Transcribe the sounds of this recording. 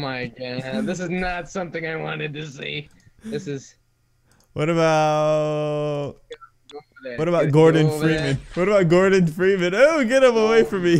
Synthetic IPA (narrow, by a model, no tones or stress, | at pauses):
maɪkæðɪs̬ɨznətsʌ̃mθɪ̃ŋaɪwɑ̰̃nɨd̚tɨsḭ | ðɪsɨz̥ | wʌɾɨbaʊtt | wʌɾəbaʊt̚ɡ̥ɔɹdⁿn̩fɹit̚mɨ̃nwʌɾɨbaʊt̚ɡ̥ɔɹdⁿn̩fɹit̚mɨ̃noʊɡɛɾʌ̃məweɪfɹʌ̃mi